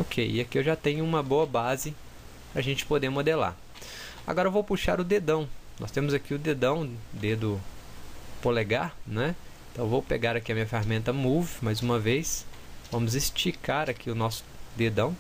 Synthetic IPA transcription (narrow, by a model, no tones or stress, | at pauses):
okʰejɪakiewʒat̪ẽɲʊũmɐbowɐbazɪ | pɾɐʒẽnt͡ʃɪ̥pod̪eɾmod̪ela̰ | a̰ɡɔɾɐevowpuʃa̰ɾʊd̪ed̪ɐ̃w̃nɔ̰st̪ẽmʊzakiʊd̪ed̪ɐ̃w̃d̪ed̪ʊ | poleɡaɾnɛ | ẽt̪ɐ̃w̃vowpeɡaɾɐkiɐmĩɲɐfehamẽnt̪ɐmuvɪmɐjzũmɐvejsvɐ̃mʊzɪst͡ʃikaɾakʰiʊnɔsʊ̥d̪ed̪ɐ̃w̃